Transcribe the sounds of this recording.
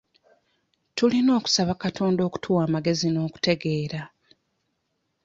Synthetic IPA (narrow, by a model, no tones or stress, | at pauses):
tulino̞ːku̥saβakatʰo̞ːndo̞ːku̥tʰuwaːmaɡe̞zino̞ːku̥te̞ɡe̞ːɾa